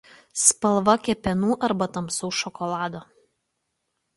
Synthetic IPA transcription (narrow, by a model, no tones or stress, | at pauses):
spɐlˠʋɐkʲɛpʲɛnuːʔɐɾbɐt̪ɐmsɔʊʃɔkɔlˠɑːd̪oː